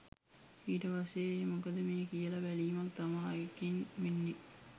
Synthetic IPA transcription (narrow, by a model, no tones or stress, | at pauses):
iːʈɐʋɐseːmukɐd̪əmeːkijəlɐʋæliːmɐkt̪ɐmaːekinminːi